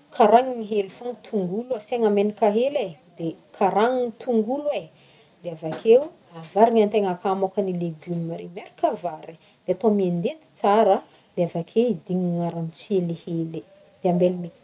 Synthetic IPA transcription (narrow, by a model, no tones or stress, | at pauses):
kʰaɾaŋiŋiɦelfoŋit̪ʰuŋɡulaseŋamenikaɦele | d̪̥ekʰaɾaŋinit̪uŋɡulwe | d̪̥eavakʰeu | avaɾiŋant̪eŋakamokənileɡumimaɾimeɾi̥kavaɾi̥ | d̪̥eat̪omiend̪ed̪i̥t͡saɾə | d̪̥eavakʰewid̪iɲiŋaɾanit͡selehele | d̪̥eambelimi